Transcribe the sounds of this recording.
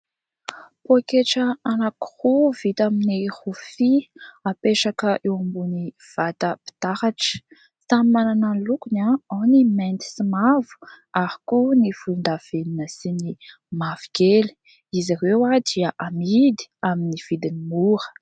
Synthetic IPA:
pokeʈ͡ʂəanaku̥huvit̪aminihufiapeʂakəʔewambuni | v̥at̪əpi̥t̪ahaʈ͡ʂə̥ | sammanananlukunaawnimɛnt̪i̥simavu̥ | aɾi̥kunifund̪av̥eninəsini | maviɡeli̥ | izaɾewad̪iəʔamid̪i̥aminiv̥id̪inimuɾə̥

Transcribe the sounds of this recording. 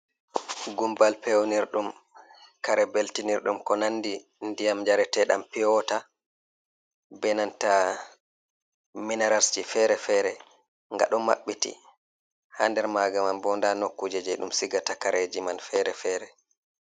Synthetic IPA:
ɡumbalpewniɾɗum | kaɾɛbeltiniɾɗumkɔnanːdi | ndijamd͡ʒaɾɛtɛɗa̰mpijɔta | bɛnanta | minaɾasd͡ʒifɛɾɛfɛːɾɛ | ŋɡa̰ɗɔmmːa̰ɓːitḭ | handɛɾmaɡamanbɔndanokːud͡ʒɛd͡ʒɛɗumsiɡatakaɾed͡ʒimanfɛɾɛfɛɾɛ

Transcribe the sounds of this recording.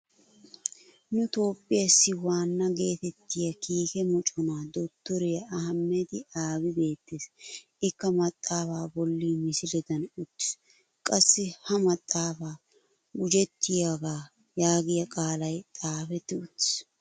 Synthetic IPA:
nʊt̪o̞ːpʼːɪjɐsːɪwaːnːɐɡe̞ːt̪ɛt̪ːɪjɐkiːkɛmɔt͡ʃʼɔnaːd̪ɔt̪ːɔɾɛjɐɐɦɐmːɛd̪ɪaːbɪbe̞ːt̪ːeːs | ɪkːɐmɐt̪ʼːaːfaːbɔlːiːmɪsɪlɛd̪ɐnʊt̪ːɪ̥s | kʼɐsːɪhɐmɐt̪ʼːaːfaː | ʊd͡ʒɛt̪ʰːɪjaɡaː | jaːɡɪjɐkʼaːlɐjt̪ʼaːfɛt̪ːɪʊt̪ːɪ̥s

